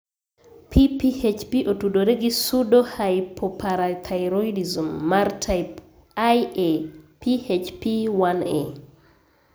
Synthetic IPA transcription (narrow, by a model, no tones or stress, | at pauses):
pʰipihet͡ʃpiʔotudoɾeɡisudohajpʰɔpʰaɾat̪ʰajɾɔidizumːaɾtʰajp | ajepihet͡ʃpiwanḛ